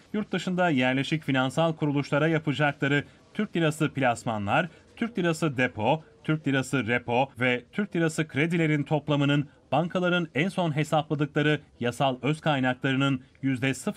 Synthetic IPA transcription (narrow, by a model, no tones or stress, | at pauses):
juɾt̪̚d̪ɯʃɯnd̪ajæɾlʲe̞ʃicfinansalˠkʰuɾulˠuʃlˠaɾajapʰɯd͡ʒaklˠaɾɯ | t̪ʰyɾc̚d̪iɾasɯpilʲasmanlˠaɾ | t̪ʰyɾc̚d̪iɾasɯd̪epʰo̞t̪ʰyɾc̚d̪iɾasɯɾepʰo̞vɛt̪ʰyɾc̚d̪iɾasɯkʰɾe̞d̪ilʲe̞ɾint̪ʰo̞plˠamɯnɯn | b̥aŋkʰalˠaɾɯnænso̞nɦe̞saplˠad̪ɯklˠaɾɯjasalˠøzkʰajnaklˠaɾɯnɯnjyzd̪ɛsɯf